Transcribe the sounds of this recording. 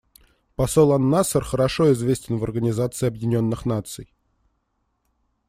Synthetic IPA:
pɐsolˠɐnːasərxəɾɐʂoɪzvʲesʲtʲɪnvɐrɡənʲɪzat̪sɨɪɐbjɪnʲo̞nːɨxnat̪sɨj

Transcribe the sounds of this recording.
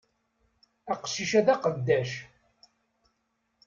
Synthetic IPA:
æqə̥ʃːiʃæðæqəd̪ːæʃ

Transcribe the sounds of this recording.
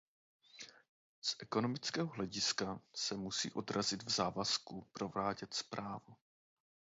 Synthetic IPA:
sʔɛko̞no̞mɪt͡skɛːɦoɦlɛɟɪskasɛmusḭːʔo̞d̪ɾazɪd̪vzaːvaskupɾo̞vlaːɟɛt̪spɾʔaːvu

